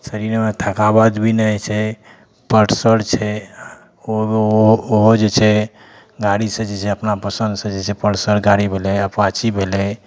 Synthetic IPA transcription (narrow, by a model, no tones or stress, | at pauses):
səɾiɾmet̪ʰəkabad̪bʱinɛt͡ʃʰɛ | pəɾʈsəɽt͡ʃʰɛ | oooɦod͡ʒet͡ʃʰɛ | ɡaɽisə̃d͡ʒet͡ʃʰɛəpnapəsə̃nd̪sə̃d͡ʒet͡ʃʰɛpəʈsəɾɡaɽibʱelɛəpwat͡ʃibʱelɛ